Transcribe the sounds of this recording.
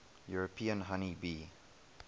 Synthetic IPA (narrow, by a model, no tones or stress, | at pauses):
juɹopʰĩə̃nɦanibi